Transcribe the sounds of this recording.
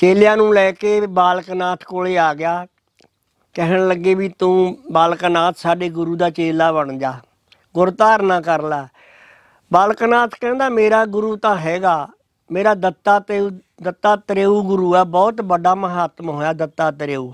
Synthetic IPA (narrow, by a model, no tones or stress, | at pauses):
t͡ʃeːljãːnũːlɛːkeːbaːlknaːt̪ʰkoːleːaːɡɪjaː | kɛɦəɳləɡːeːʋiːt̪ũːbaːlkənaːt̪ʰsaːɖeːɡʊɾuːd̪aːt͡ʃeːlaːbəɳd͡ʒaː | ɡʊɾt̪aːɾnãːkəɾlɛː | baːlknaːt̪ʰkɛ̃ːnd̪aːmeːɾaːɡʊɾuːt̪ãːɦɛːɡaː | meːɾaːd̪ət̪ːaːt̪ː | d̪ət̪ːaːt̪əɾeːuːɡʊɾuːɛːbɔːt̪bəɖaːməɦaːt̪mɦoːjaːd̪ət̪ːaːt̪ɾeːuː